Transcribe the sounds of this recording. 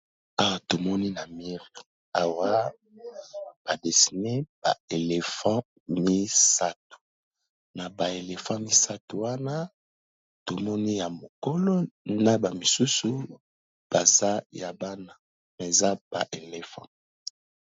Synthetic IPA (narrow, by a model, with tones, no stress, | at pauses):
a˦wa˨to˨mɔ˦ni˦na˨mi˦ʁi˨ | a˨wa˦ | b̥a˨de˨si˨ne˦b̥a̰˨e˨le˨fã˦ | mi˦sa˦tu̥˨ | na˨ba˨e˨le˨fã˦mi˦sa˦tu˨wa˦na˦ | to˨mɔ˦ni˦ja˨mo˨ko˦lo˦na˦ba˨mi˨su˦su˨ | b̥a˨za˦ja˨ba˦na˨ | me˨za˦b̥a̰˨ʔe˨le˨fã̰˦